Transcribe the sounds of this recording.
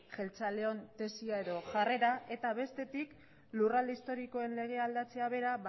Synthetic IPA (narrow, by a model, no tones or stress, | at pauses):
ʝe̞lt͡sale̞o̞nt̪e̞siae̞ðo̞ʝare̞ɾae̞t̪aβe̞st̪e̞t̪ik | luralist̪o̞ɾiko̞e̞nle̞ɣ̞e̞ald̪at͡se̞aβ̞e̞ɾaβ